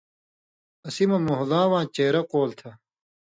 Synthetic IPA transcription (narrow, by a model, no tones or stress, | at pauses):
ɐsimɐmoɦdãːwãːt͡ɕeːɾɐqoːlt̪ʰɐ